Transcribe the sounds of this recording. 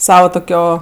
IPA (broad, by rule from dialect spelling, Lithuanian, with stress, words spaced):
ˈsɑːʋɐ tʊˈkʲoː